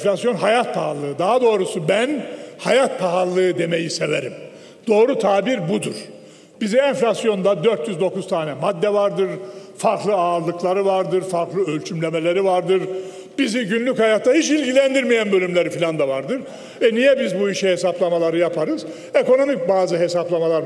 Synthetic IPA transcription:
flʲasjo̞nɦajat̪̚pʰaɦalˠːɯɯd̪aɦad̪o̞ːɾusubænhajat̪̚pʰaɦalˠːɯɯd̪e̞mejise̞veɾim | d̪̥o̞ːɾut̪ʰaːbiɾbud̪uɾ̥ | b̥iziɛnflʲasjo̞nd̪ad̪øɾt̪jyzd̪o̞kuz̥t̪ʰaːnɛmad̪ːɛvaɾd̪ɯɾfaɾklˠɯaːɾlˠɯklˠaɾɯvaɾd̪ɯɾfaɾklˠɯølʲt͡ʃʰymlʲe̞melʲe̞ɾivaɾd̪ɯɾ | b̥iziɟynlʲychajat̪ʰːahit͡ʃilʲɟilʲænd̪iɾmijænbø̞lʲymlʲe̞ɾifilʲand̪avaɾd̪ɯɾ | ɛnijɛbizbuiʃihesaplˠamalˠaɾɯjapʰaɾɯz | eko̞no̞mic̚baːzɯɦe̞saplˠamalˠaɾ

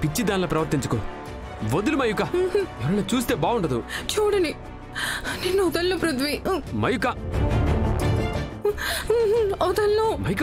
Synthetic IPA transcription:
pit͡ʃːid̪aːnlɐpɾɐʋɐɾt̪iɲt͡ʃɐ̥ko | ʋod̪ulumɐjukaɛʋɐɾɐnːɐt͡ʃuːs̬t̪e̞ːbaːuɳʈɐd̪ut͡ʃuːɽɐni | ninːuud̪ɐlːupɾut̪ʰʋimɐjuka | ɐd̪ɐlːomɐjk

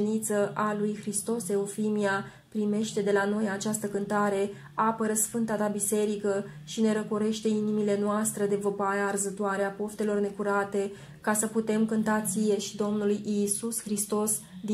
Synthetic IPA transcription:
nit̪səʔalujxɾist̪o̞se̞ofimia | pɾime̞ʃt̪e̞d̪e̞lano̞jat͡ʃast̪əkɨnt̪aɾe̞ | apəɾəsfɨnt̪at̪abise̞ɾikə | ʃine̞ɾəkoɾe̞ʃt̪e̞inimile̞noast̪ɾed̪e̞vəpaɾeaːrzət̪oaɾeapo̞ft̪e̞lo̞rne̞kuɾat̪e̞ | kasəput̪e̞mkɨnt̪at̪sije̞ʃid̪o̞mnulujʔisusxɾist̪o̞sd̪i

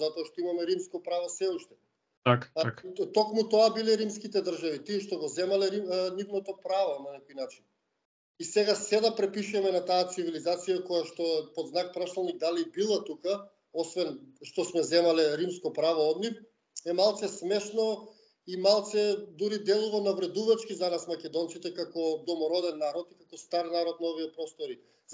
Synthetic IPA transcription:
zat̪ɔaʃt̪ɔimamɛɾimskɔpɾavɔsɛuʃt̪ɛ | akt̪ɔkmut̪ɔabilɛɾimskit̪ɛd̪r̩ʒavit̪iɛʃt̪ɔɡɔzɛmalɛɾinivnɔt̪ɔpɾavonanɛkɔjnat͡ʃin | isɛɡasɛd̪apɾɛpiʃuɛmɛnat̪aːt̪sivilizat̪sijakɔjaʃt̪ɔɛpod̪znak̚pɾasˠalˠniɡ̚d̪alibilˠat̪uka | ɔsvɛnʃt̪ɔsmɛzɛmalɛɾimskɔpɾavɔɔd̪nif | ɛmalˠt̪sɛsmɛʃnɔ | imalˠt̪sɛd̪uɾid̪ɛlˠuvanavɾɛd̪uvat͡ʃkizanasmakʲɛd̪ɔnt̪sit̪ɛkakɔd̪ɔmɔɾɔd̪ɛnːaɾɔt̪ikakɔst̪aɾnaɾɔt̪̚naoviɛpɾɔst̪ɔɾi

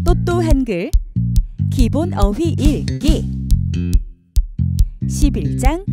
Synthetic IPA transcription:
t͈ot͈oɦenɡɯɭ | kibonʌwiʔiɭki | ɕʰibiɭt͡ɕ͈aŋ

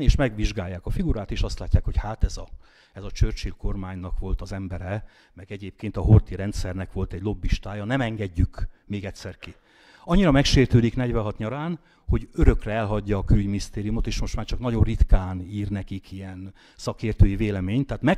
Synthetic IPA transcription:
neːʃmɛɡʋiʒɡaːjːaːkɒfiɡuɾaːt̪eːʃɒst̪laːcːaːkho̞chaːt̪ɛzɒ | ɛzɒt͡ʃørt͡ʃilko̞rmaːɲnɒkʋo̞lt̪ɒzɛmbɛɾɛ | mɛɡɛɟeːp̚keːnt̪ɒɦo̞rt̪iɾɛnt̪sɛrnɛkʋo̞lt̪ɛɟlo̞bːiʃt̪aːjɒnɛmɛŋɡɛɟːykmeːɡɛcʲsɛrki | ɒɲːiɾɒmɛkʃeːrt̪øːd̪iknɛɟʋɛɦɒt̪ɲɒɾaːn | ho̞ɟøɾø̞krɛɛlɦɒɟːɒːkylɟminist̪eːɾijumo̞t̪eːʃmo̞ʃt̪maːrt͡ʃɒknɒɟo̞rrit̪kaːniːrnɛkikijɛn | sɒkeːrt̪øːjiveːlɛmeːɲt̪ːaːt̪mɛ

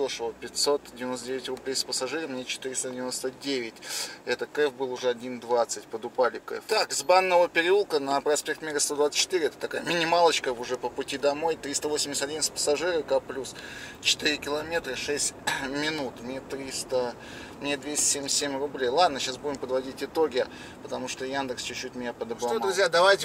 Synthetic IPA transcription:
ʂɨvəpʲɪt̪ʲsot̪dʲɪvʲɪno̞st̪ədʲevʲɪtʲrʊblʲejspəsɐʐɨɾəmnʲet͡ɕɪ̥t̪ɨɾʲɪst̪ədʲɪvʲɪnost̪ədʲevʲɪtʲɛt̪ət̪kɛfbɨlˠʊʐɛɐdʲind̪vat̪sətʲpəd̪ʊpalʲɪkɛ̰ft̪akɨzbanːəvəpʲɪɾʲɪulˠkənəpɾɐspʲe̞k̚t̪mʲiɾəst̪od̪vat̪sə̥t͡ɕːɪt̪ɨɾɪɛt̪ə̥t̪ɐkajəmʲɪnʲɪmalˠət͡ɕkəʊʐɛpəpʊtʲid̪ɐmo̞jt̪ɾʲist̪əvosʲɪmʲsʲt̪ɐdʲinsʲpə̥sɐʐɨɾəkaplʲust͡ɕɪ̥t̪ɨɾʲɪkʲɪlˠɐmʲe̞t̪ɾəʂɛsʲtʲmʲɪnut̪mnʲet̪ɾʲist̪ə | mnʲed̪vʲesʲtʲɪ̥sʲemʲɪsʲsʲemʲrʊblʲejlˠad̪nəɕasbudʲɪmpəd̪vɐdʲitʲɪt̪o̞ɡʲɪ | pət̪ɐmuʂt̪ojand̪ɨkst͡ɕʉt͡ɕːʉtʲmʲɪjʲapəd̪əbɾɐd̪ɾʊzjad̪ɐvajtʲɪ

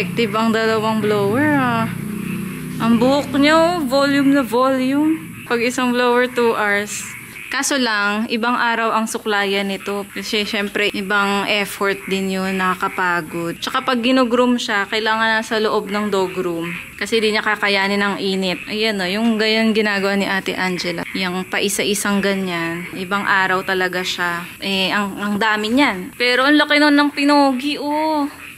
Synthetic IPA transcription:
ɛk̚t̪ɪbɐŋd̪ɐlɐwɐŋblowɛɹa | ʔɐŋbʊhʊk̚ɲovoljʊmnɐvoljʊm | pɐɡɪsaŋbloːwɛɹt̪uʔaɹs | kaːso̞lɐŋʔɪbaŋʔaːɾɐwɐŋsʊklaːjɐnɪt̪o̞kɐsɛʃɛmpɾɛʔɪbaŋʔɛfoɹt̪̚d̪ɪnjonːɐkɐkɐpaːɡo̞d̪̚t͡ʃɐkapɐɡ̚ːɪnoɡɾʊmʃakɐɪlaːŋɐnːɐsɐloʔo̞b̚nɐŋd̪oːɡɾum | kɐsɛd̪inɐkakɐjaːnɪnɐŋʔiːnɛt̪̚ʔɐjʔɐno̞jʊŋɡɐjanɡɪnaːɡɐwanɪʔaːt̪ɪ̰ʔand͡ʒɛlɐ̰jɐŋpɐʔɪsɐʔɪsaŋɡɐɲanʔɪbaŋʔaːɾɐwt̪ɐlɐɡaʃaʔɛʔɐŋɐŋd̪aːmɪɲanpɛːɾoʔɐnlɐkɪnonːɐŋpɪnoːɡiʔo

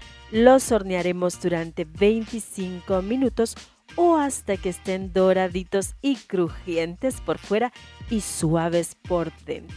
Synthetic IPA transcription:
lo̞so̞ɾneaɾe̞mo̞zd̪uɾant̪e̞βe̞jnt̪isiŋko̞mĩnut̪o̞s | oast̪akeːst̪e̞nd̪o̞ɾaðit̪o̞sikɾuxje̞nt̪e̞spo̞ɾfwe̞ɾaiswaβ̞e̞spo̞ɾðe̞̰nt̪ɾo

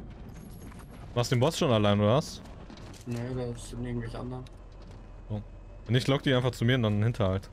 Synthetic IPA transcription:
maːχstd̥eːnbɔsʃoːnalaɪnduast | nedasɪnʔɪɐŋ̩tvɛlçʔa̰ndən | o̥ː | ɛnɪçlɔk̚d̥iːaɪnfaχt͡sumiːɐndannhɪntʰɐhalt

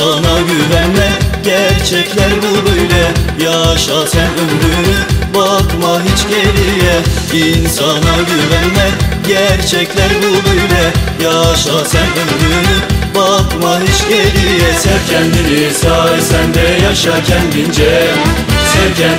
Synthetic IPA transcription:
anaɟyvænmɛɟæɾt͡ʃʰɛclʲæɾbubøjlʲɛjaʃasænømɾynybakmaɦit͡ʃɟeɾijɛ | insanaɟyvænmɛɟæɾt͡ʃʰɛclʲæɾbubøjlʲɛjaʃasænømɾynybakmaɦit͡ʃɟeɾijɛsɛvcʰɛnd̪inisaːɾisɛnd̪ɛjaʃacʰɛnɟind͡ʒɛm | sɛcʰɛ

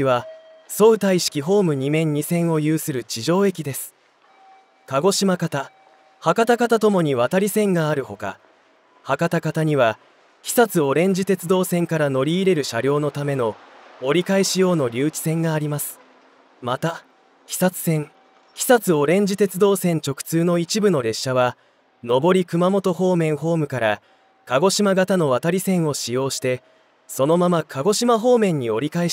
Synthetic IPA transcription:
iβa | so̞ɯt̪aiɕi̥kʲiɦo̞ːmɯ̟ɲ̟imẽ̞ɲ̟ɲːisẽ̞ɰ̃o̞jɯːsɨɾɯ̟t͡ɕiʑo̞ːe̞kʲid̪e̞sɨ̥ | kaɡo̞ɕimakat̪a | hakat̪akat̪at̪o̞mo̞ɲ̟iβat̪aɾʲisẽ̞ŋɡaːɾɯ̟ho̞ka̰ | hakat̪akat̪aɲ̟iβa | kʲi̥sat͡sɨo̞ɾẽ̞ɲ̟d͡ʑit̪e̞t͡sɨd̪o̞ːsẽ̞ŋkaɾano̞ɾʲiːɾe̞ɾɯ̟ɕaɾʲo̞ːno̞t̪ame̞no̞ːɾʲikaiɕijo̞ːno̞ɾʲɨːt͡ɕi̥sẽ̞ŋɡaːɾʲimasɨ̥ | mat̪a | kʲi̥sat͡sɨ̥sẽ̞ŋ | kʲi̥sat͡sɨo̞ɾẽ̞ɲ̟d͡ʑit̪e̞t͡sɨd̪o̞ːsẽ̞ɲ̟t͡ɕo̞kɯ̥t͡sɨːno̞it͡ɕibɯ̟no̞ɾe̞ɕːaβa | no̞bo̞ɾʲikɯ̟mamo̞t̪o̞ho̞ːmẽ̞ɰ̃ɦo̞ːmɯ̟kaɾa | kaɡo̞ɕimaɡat̪ano̞β̞at̪aɾʲisẽ̞ɰ̃o̞ɕijo̞ːɕi̥t̪e̞ | so̞no̞mamakʰaɡo̞ɕimaɦo̞ːmẽ̞ɲ̟ːio̞ɾʲikai

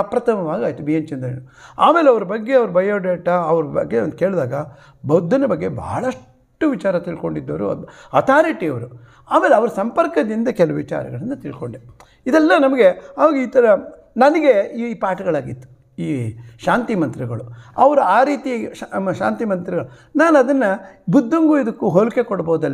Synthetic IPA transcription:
ɐpɾɐt̪ʰɐmɐʋaːɡaːjt̪ːumijɐnt͡ʃind̪ɐḛnua̰ːmeːleɐʋɐɾɐbɐɡːe̞ɐʋɐɾubɐjoːɖeːʈɐɐʋɐɾubɐ̰ɡːeond̪uke̞ːɭd̪aːɡɐ | bɐwd̪ʱːɐnɐbɐɡːe̞bɐ̰ːɭɐʂ | ʈːuʋit͡ʃaːɾɐt̪iɭko̞ɳɖid̪ːɐʋɾṵɐt̪ʰaːɾiːʈiɐʋɐɾu | aːme̞ːleɐʋɐɾɐsɐmpɐɾkɐd̪ind̪ɐkɛluuʋit͡ʃa̰ːɾɐ̰ɡɐɭɐnːɐt̪iɭkoɳɖe | id̪ɛlːɐnɐmɐɡe̞ɐʋɐɡiːt̪ɐɾɐ | nɐnɐɡeipaːʈɐɡɐɭaːɡit̪ːu̥ | iːʃaːnt̪imɐnt̪ɾiɡɐɭuɐʋɐɾuaːɾiːt̪iʃa̰ːnt̪imɐnt̪ɾiɡɐɭunaːnuɐd̪ɐnːɐbud̪ʱːɐŋɡuid̪ɐkːuɦoluke̞kɔɽɐboːud̪ɐlː

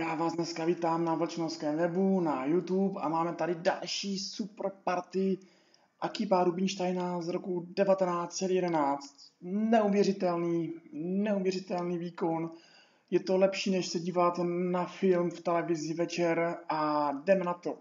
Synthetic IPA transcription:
jaːvaːzdnɛskaviːt̪aːmnavl̩t͡ʃnoskɛːmvɛbunajut̪upa̰maːmɛt̪adɪda̰lʃiːsuprpaɾt̪ɪ | ʔakiːpaːɾubɪɲʃt̪ajnazɾokudɛvat̪ɛnaːt̪t͡sɛd̪jɛdɛnaːt͡st̪̚nɛuvjɛrɪt̪ɛlniːnɛuvjɛrɪt̪ɛlniːviːkon | jɛt̪olɛpʃiːnɛʃsɛɟiːvat̪nafɪlmft̪ɛlɛvɪzɪvɛt͡ʃɛɾʔadɛmɛnat̪o

